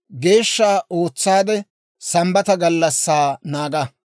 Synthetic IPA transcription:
ɡe̞ːʃːaːo̞ːt͡sːaːd̪ɛ | sɐmbɐt̪ɐɡɐlːɐsːaːnaːɡɐ

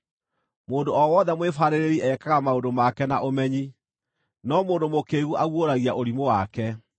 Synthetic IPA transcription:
moːndoɔwɔðɛmwefaɾeɾeɾiʔɛkaɣamaondomakɛnaʔomɛɲi | nɔmoːndomokeːɣuʔaɣwoɾaɣiaʔoɾimowakɛ

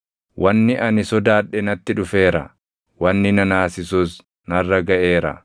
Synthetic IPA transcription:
wɐnːɪʔɐnɪsɔd̪aːᶑɛnɐt̪ːɪᶑʊfe̞ːɾɐ̰ | wɐnːɪnɐnaːsɪsus | nɐrːɐɡɐʔeːɾɐ̰

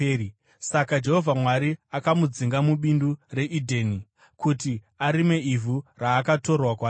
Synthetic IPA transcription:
sakad͡ʒe̞ɦo̞vʱamwaɾiakamud͡ziŋɡamuɓindure̞ʔidʱeːni | kuti | aɾime̞ivʱuraːkato̞rwakwa

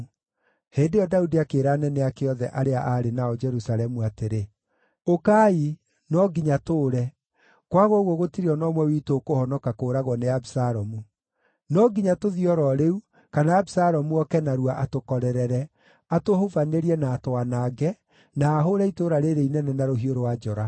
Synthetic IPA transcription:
heːndejɔdaudiakeːɾaːnɛnɛakeɔðɛ̰ʔaɾeaʔaɾenaɔd͡ʒɛɾusaɾɛmuateɾe | okai | nɔɡiɲatoːɾɛ | kwaɣwɔɣwɔɣotiɾeɔnɔmwɛwiːtokohɔnɔkakoːɾaɣwɔneabisaɾɔmu | nɔɡiɲatoðiɔɾɔɾeu | kanaːbisaɾɔmuɔkɛnaɾuwaʔatokɔɾɛɾɛɾɛ | atohovaneɾiɛnaːtoanaːɡɛ | naːɦoɾɛitoɾaɾeɾeinɛnɛnaɾoɦioɾowad͡ʒɔɾa

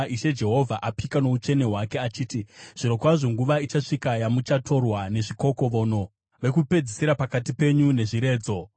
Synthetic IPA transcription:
iʃe̞d͡ʒe̞ɦo̞vʱaʔapikano̞ut͡ʃe̞ne̞ɦwake̞at͡ʃiːtiʐ̥iɾo̞kwaʐoŋɡuʋait͡ʃaʂikajamut͡ʃatʰo̞rwane̞ʐiko̞ko̞ʋo̞ːno̞ | ʋe̞kupe̞d͡zisiɾapakatipe̞ɲune̞ʐiɾe̞ːd͡zo̞

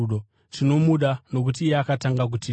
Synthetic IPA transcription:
ɗo | tino̞muɗano̞k̬utiːjeakataŋɡak̬uti

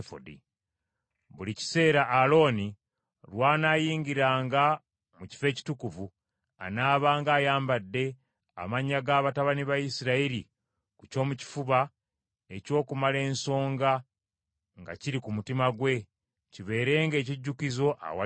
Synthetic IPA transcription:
fo̰dḭ | βulici̥se̞ːɾaʔːlo̞ːni | lwaːnaːjiːŋɡiɾaːŋɡa | muci̥fe̞ːci̥tukuvu | a̰naːβaːŋɡaːjaːmbadːe̞ | a̰maɲːaɡaːβataβaniβajisiɾaiɾi | kuco̞ːmuci̥fuβa | e̞co̞ːkumale̞ːnso̞ːŋɡa | ŋɡa̰ciɾikumutimaɡwe̞ | ciβe̞ːɾe̞ːŋɡe̞ːciɟːukizo̞ʔa̰wa

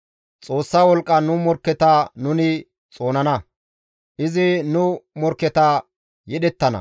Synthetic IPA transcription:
t͡sʼo̞ːsːaːwɔlkʼːɐnʊmɔɾkːɛt̪anʊnɪ | t͡sʼo̞ːnɐnɐ | ʔɪzɪnʊmɔɾkːɛt̪ɐ | jɛɗɛt̪ːɐnɐ̰

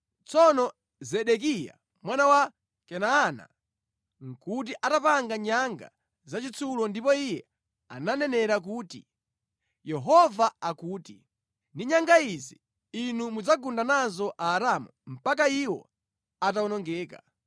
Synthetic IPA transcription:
t͡sɔnɔ | zɛɗɛk̬ija̰ | mwanawa | kɛnaːna̰ | ŋ̩kut̬iʔatapaŋɡaɲaŋɡa̰ | zat͡ʃit͡sʰulɔndip̬ɔijɛ | a̰nanɛnɛɾak̬uːti | jɛɦɔvaakuːti | ndiɲaŋɡaizi | inumud͡zaɡundanazɔʔaːɾamum̩pak̬aiwɔ̰ | ataɔnɔŋɡɛːka̰

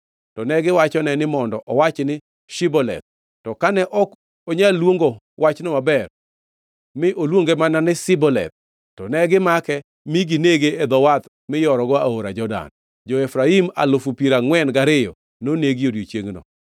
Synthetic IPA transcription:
tɔnɛɡɪwat͡ʃɔnɛnɪmɔndɔʔɔwat͡ʃnɪ | ʃibɔlɛ̰t̪̚ | tɔkanɛʔɔk | oɲalwoŋɡo | wat͡ʃnɔmabɛr | mɪʔolwoŋɡemananɪsɪbɔlɛ̰t̪̚ː | ɔnɛɡɪmakɛ | miɡineɡeːd̪ɔwat̪ | mɪjɔɾɔɡɔa̰oɾad͡ʒɔda̰n | d͡ʒɔɛfɾaima̰lʊfupiɾaŋwɛnɡaɾɪjɔ̰ | noneɡiodjot͡ʃjeŋnɔ̰

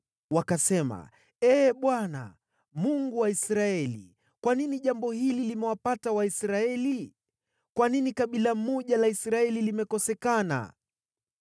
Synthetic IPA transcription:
wakasɛma̰ | ɛːɓwana̰ | muŋɡuwaisɾaɛlḭ | kwaniniʄambɔhililimɛwapatawaisɾaɛli | kwaninikaɓilam̩mɔʄalaisɾaɛlilimɛkɔsɛkana̰

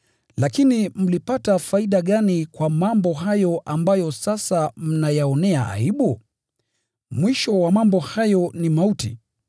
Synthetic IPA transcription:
lakinim̩lipatafaiɗaɠanikwamambɔɦajɔʔambajɔsasam̩najaɔnɛaʔa̰iɓu | mwiʃɔwamambɔhajɔnimautḭ

